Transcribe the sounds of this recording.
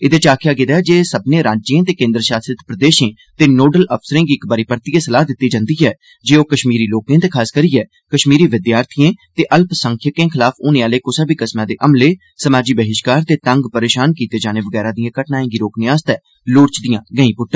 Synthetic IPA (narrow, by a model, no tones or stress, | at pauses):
ɪd̪eːt͡ʃaːkʰjaːɡɪd̪aːd͡ʒeːsəbnẽːɾaːd͡ʒd͡ʒẽːt̪eːkẽːnd̪ɾəʃaːsɾɪt̪pɾəd̪eːʃẽː | t̪eːnoːɖələpsəɾẽːɡiːɪkbaɾiːpəɾt̪iːẽːsəlaːɦd̪ɪt̪ːiːd͡ʒãːnd̪iːɛː | d͡ʒeːoːkəʃmiːɾiːloːkẽːt̪eːkʰaːskəɾiːɛː | kəʃmiːɾiːʋɪd̪jaːɾt̪ʰijẽːt̪eːʔəlpsə̃ŋkʰjəkẽːkʰɪlaːfʊnẽːaːleːkʊsaːbiːkəsmãːd̪eːʔəmleː | səmaːd͡ʒiːbəɦɪʃkaːɾt̪eːt̪əŋɡpəɾeːʃaːnkiːt̪eːd͡ʒaːneːʋəɡɛːɾãːd̪ɪjãːkəʈnaːẽːɡiːɾoːknɪãːst̪ɛː | loːɾt͡ʃd̪ɪjãːɡəĩːpʊʈːə̃